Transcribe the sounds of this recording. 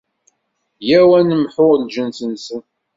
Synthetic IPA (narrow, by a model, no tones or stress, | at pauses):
jæwænəmħʊʁlʒənsənsən